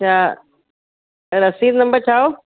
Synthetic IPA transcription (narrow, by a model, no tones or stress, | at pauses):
t͡ɕʰaː | ɐɾɐsĩːd̪nɐ̃mbəɾt͡ɕʰaːo